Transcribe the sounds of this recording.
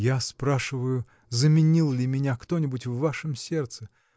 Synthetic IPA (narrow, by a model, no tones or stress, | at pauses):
jaspɾaʂɨvəjʊ | zəmʲɪnʲilˠlʲɪmʲɪnʲakt̪o̞nʲɪbʊtʲvːaʂɨmsʲe̞rt̪sɨ